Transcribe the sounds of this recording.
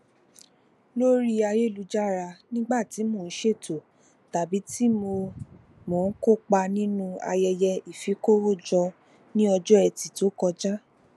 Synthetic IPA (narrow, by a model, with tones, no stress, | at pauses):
lo˦ɾi˦a˧je˦˨lu˨˧˦d͡ʒa˦˨ɾa˧nĩ˦ɡ͡ba˦˨ti˨˦mo˦˨n̩˦ʃe˦˨to˨ | ta˨bi˨˦ti˦mo˧ | mo˨n̩˦ko˦˨k͡pa˧nĩ˦nũ˧a̰˧jɛ˧jɛ˧i˨fi˨˦ko˦wo˦˨d͡ʒɔ˧ | nĩ˦ɔ˧d͡ʒɔ˦ɛ˧˨ti˨to˨˦kɔ˧d͡ʒa˦